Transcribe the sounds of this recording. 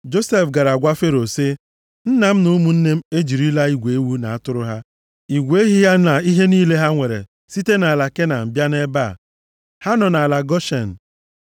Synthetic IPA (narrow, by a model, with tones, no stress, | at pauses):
d͡ʒo˦se˦fɡa˨ɾa˨ɡʷa˦fe˦ɾo˨sɪ˦ | n̩˦na˨m̩˦nu˦mu˨n̩˦ne˦m̩˦e˦d͡ʒi˨ɾi˦la˦i˦ɡʷe˨˦wu˦na˨a˦tʊ˦ɾʊ˦ɦa˦ | i˨ɡʷe˦ɦi˦ja˦na˨i˦ɦe˦niː˦le˦ɦa˦ŋʷe˨ɾḛ˨ | si˦te˦na˨a˨la˨ke˦na˨m̩˨bja˦ne˦ba̰˦˨ | ha˦nɔ˨na˨la˨ɡɔ˦ʃe˨n̩˨